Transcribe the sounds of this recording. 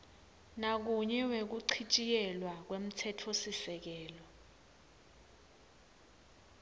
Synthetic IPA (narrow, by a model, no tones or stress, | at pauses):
nak̬uɲɛwek̬uǀʰit͡ʃʼijɛlwak̬wem̩tʰɛtʰosisɛk̬ɛːlɔ